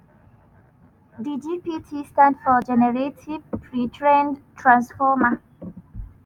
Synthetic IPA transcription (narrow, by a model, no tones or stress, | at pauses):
did͡ʒipitʰistãndfɔd͡ʒɛnɛɹetʰivpʰɹitʰɹɛ̃ndtʰɹãnsfɔma